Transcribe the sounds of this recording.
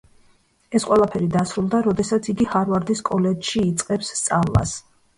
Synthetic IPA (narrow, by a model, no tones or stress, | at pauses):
ɛsqʼwɛlˠapʰɛɾid̪asɾulˠd̪aɾɔd̪ɛsat̪sʰiɡihaɾvaɾd̪iskʼɔlɛd͡ʒʃiːt̪sʼqʼɛpsːt̪sʼavlˠa̰s